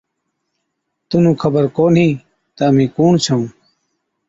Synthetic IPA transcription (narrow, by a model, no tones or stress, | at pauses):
t̪ʊnũːkʰəbəɾkoːnɦĩː | t̪əəmĩːkuːɳt͡ʃʰəũː